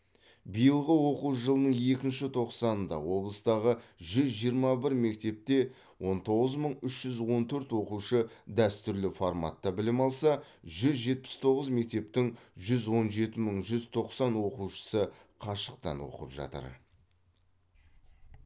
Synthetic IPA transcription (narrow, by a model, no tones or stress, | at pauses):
bijəlˠʁəwo̞quʒəlˠənəɴje̞kʲɪnʃɪt̪ʰo̞qsɑnənd̪ɑ̰wo̞blˠəst̪ɑʁəʒʏzʒijəɾmɑbɪɾme̞k̚t̪e̞p̚t̪e̞ | wo̞nt̪ʰo̞ʁəzməɴʏʃʒ̥ʏzwo̞nt̪ʰɵɾt̪wo̞quʃəd̪æst̪ʏɾlɪforma̰t̪ːɑbɪlɪmɑlˠsɑ | ʒʏzʒe̞t̪̚pɪ̥st̪ʰo̞ʁəzme̞k̚t̪e̞p̚t̪ɪŋʒʏzwo̞nʒe̞t̪ɪməɴʒʏzt̪ʰo̞qsɑnwo̞quʃə̥səqʰɑʃəq̚t̪ɑ̰nwo̰qə̰pʒɑ̰t̪ə̰ɾ